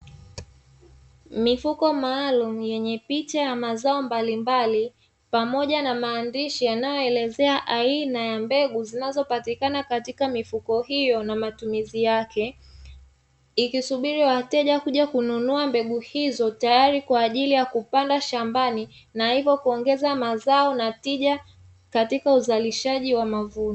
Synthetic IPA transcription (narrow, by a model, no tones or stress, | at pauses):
mifukɔmaːlum̩jɛɲɛpit͡ʃajamazaɔmbalimbali | pamɔʄanamaːndiʃijanajɔɛlɛzɛaʔainajambɛɠuzinazɔpatikanakatikamifukɔɦijɔnamatumizijakɛ | ikisuɓiɾiwatɛʄakuʄakununuambɛɠuhizɔtajaɾikwaːʄilijakupandaʃambani | nahivɔkuɔŋɡɛzamazaɔnatiʄa | katikauzaliʃaʄiwamavunɔ